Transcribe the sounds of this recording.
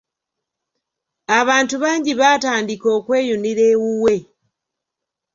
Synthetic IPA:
aβaːntuβaːɲɟiβaːtaːndiko̞ːkwe̞ːjuniɾe̞ːwuwe̞

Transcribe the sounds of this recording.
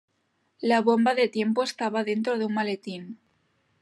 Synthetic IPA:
laβo̞mbaðet̪je̞mpoest̪aβaðe̞nt̪ɾoðunmalet̪in

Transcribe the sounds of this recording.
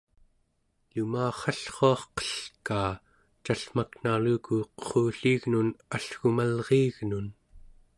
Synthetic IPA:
lumaːχɑɬχoɑχqʌ̥ɬkaː | t͡ʃaɬm̥akn̥alukuqə̥χuːɬiːɣnunaɬxumalʁiːɣnun

